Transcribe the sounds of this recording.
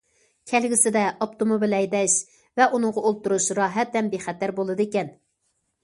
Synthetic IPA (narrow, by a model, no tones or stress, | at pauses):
kʲʰɛlɡʲɪsɪd̪ɛʔop̚t̪ʰomobilɛjd̪ɛʃ | vɛʔunɨŋʁɑolˠt̪uɾuʃɾɑːɦɛt̪̚ːɛmbeχɛt̪ːæɾbolˠɨd̪ɨekʲɛn